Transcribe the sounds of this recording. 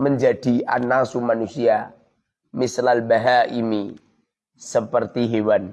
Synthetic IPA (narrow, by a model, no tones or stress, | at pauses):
məɲd͡ʒad̥iʔa̰nasumanusia | mɪslalbaɦaʔimi | səpərt̪iɦewan